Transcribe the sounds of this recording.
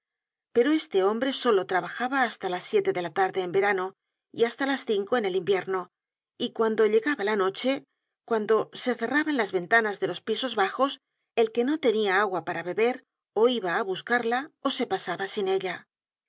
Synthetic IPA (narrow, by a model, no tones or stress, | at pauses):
pe̞ɾo̞e̞st̪e̞o̞mbɾe̞so̞lo̞t̪ɾaβaxaβaːst̪alasːje̞t̪e̞ðe̞lat̪aɾðe̞ːmbe̞ɾano̞ | iast̪alasθiŋko̞e̞ne̞limbje̞ɾno | ikwand̪o̞ʎe̞ɣaβalano̞t͡ʃe̞ | kwand̪o̞se̞θe̞raβaenlazβe̞nt̪anazðe̞lo̞spiso̞zβaxo̞s | e̞lke̞no̞t̪e̞niaaɣwapaɾaβe̞βe̞ɾ | o̞iβaːβuskaɾlao̞se̞pasaβasine̞ʎa